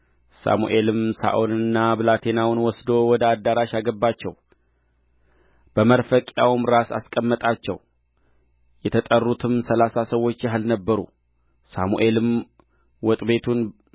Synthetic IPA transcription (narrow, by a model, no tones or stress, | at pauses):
sa̰mṵʔe̞lɨmsa̰ʔonɨnːabɨlat̪ʰe̞nawnwɔsd̪o̞wɔd̪əad̪ːaɾaʃaɡəbːat͡ʃːɛw | b̥əməɾfəkʼjawmɾasa̰skʼəmːət̪ʼat͡ʃːɛ̰w | jɛt̪ʰət̪ʼərːut̪ʰɨmsəlasasəwːo̞t͡ʃːjaɦɨlnəbːəɾṵ | sa̰muʔe̞lɨm | wɔt̪ʼbe̞t̪ʰun